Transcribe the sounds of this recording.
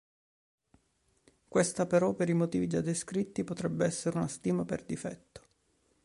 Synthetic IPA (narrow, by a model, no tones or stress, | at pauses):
kwest̪apeɾɔpeɾimot̪iːvid͡ʒad̪ːeskɾit̪ːipot̪ɾɛbːeɛsːeɾeunast̪iːmapḛrd̪ifɛ̰t̪ːo̥